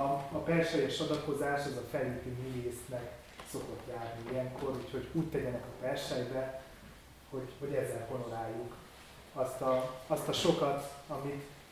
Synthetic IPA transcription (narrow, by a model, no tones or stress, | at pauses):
pɛrʃɛjɛʃɒd̪ɒko̞zaːʃɛzɒfɛleːt̪iniveːst̪nɛk | so̞ko̞t̪jaːrniijɛŋkʰo̞ɾuːcho̞ɟuːct̪ɛɟɛnɛkɒpɛrʃɛjbɛ | ho̞ɟho̞ɟɛzːɛlko̞nolaːjːuk | ɒst̪ɒɒst̪ɒʃo̞kɒt̪ɒmit̪